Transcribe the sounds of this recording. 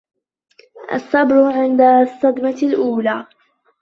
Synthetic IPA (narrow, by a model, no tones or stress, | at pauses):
ʔa̰sˤːɑbɾʊʕɪnd̪asˤːɑd̪malʔuːlaː